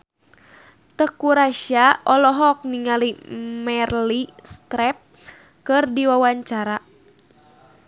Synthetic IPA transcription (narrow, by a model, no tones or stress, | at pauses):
t̪əkuɾaʃjaʔɔlɔɦɔk̚niŋalimɛrlist̪ɾɛp̚ | kɨrdiwawaɲt͡ʃaɾa